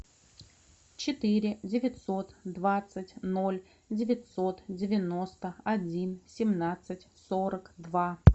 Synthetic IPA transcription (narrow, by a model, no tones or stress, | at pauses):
t͡ɕɪt̪ɨɾʲɪdʲɪvʲɪt̪so̞t̪d̪vat̪sɨtʲnolʲ | dʲɪvʲɪt̪ʲsot̪dʲɪvʲɪno̞st̪əɐdʲinsʲɪmnat̪sɨtʲsoɾəkd̪va